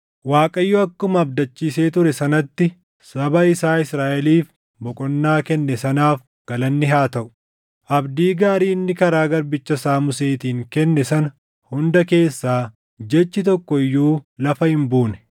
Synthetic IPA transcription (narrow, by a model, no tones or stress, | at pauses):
waːkʼɐjːɔɐkːʊmɐːbd̪ɐt͡ʃːiːse̞ːt̪ʊɾɛsɐnɐt̪ːɪ | sɐbɐɪsaːɪsɾaːʔɛliːf | bɔkʼɔnːaːkɛnːɛsɐnaːf | ɡ̥ɐlɐnːɪɦaːt̪ɐʔʊ̥ | ʔɐbd̪iːɡaːɾiːnːɪkɐɾaːɡɐɾbɪt͡ʃːɐsaːmʊse̞ːt̪iːŋkɛnːɛsɐnɐ | hʊnd̪ɐke̞ːsːaː | d͡ʒɛt͡ʃːɪt̪̬ɔkːɔɪjːuːlɐfɐhɪmbuːnɛ̥